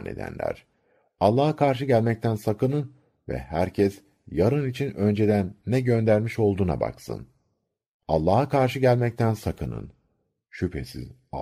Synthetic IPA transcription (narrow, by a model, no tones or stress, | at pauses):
nʔḛd̪æ̰nlʲæ̰ɾ̥ | alˠːaːhakʰaɾʃ̬ɯɟælʲmɛc̚t̪ʰænsakɯnɯn | vɛ̰hæɾcʰɛs | jaɾɯnit͡ʃʰinø̞nd͡ʒe̞d̪ænːɛɟø̞nd̪æɾmiʃo̞lˠd̪uːna̰ba̰ksɯ̰n | a̰lˠːaːɦakʰaɾʃɯɟælʲmɛc̚t̪ʰænsakʰɯnɯ̰n | ʃypʰesḭz